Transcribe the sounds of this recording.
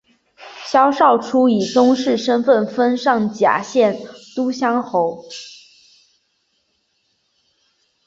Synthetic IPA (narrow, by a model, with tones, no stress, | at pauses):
ɕjɑ˥ʊʂɑ˥˩ʊʈ͡ʂʰu˥i˨˩t̪ʊ˥ŋʂɻ̩˥˩ʂə˥nfə˥˩nfə˥nʂɑ˥˩ŋt͡ɕja̰˨˩˥ɕjɛ˥˩nt̪u˥ɕjɑ˥ŋxo˧˥ʊ